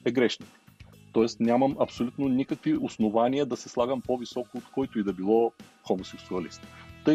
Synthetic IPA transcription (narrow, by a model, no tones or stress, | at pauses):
ɛɡɾɛʃni | t̪ɔɛst̪nʲamɐmɐpsolʲut̪nonikəkviosnovaniəd̪ɐsɛslˠaɡəmpovisɔkoːt̪kɔjt̪ʊid̪ɐbilˠɔxomosɛksuɐlḭst̪t̪ɤ